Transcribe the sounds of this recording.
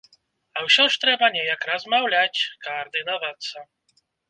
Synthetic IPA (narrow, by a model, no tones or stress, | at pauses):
awɕʲɔʂt̪ɾɛbaɲʲɛjakɾazmawlʲat͡ɕʲkɐːrd̪ɨnavat̪sːɐ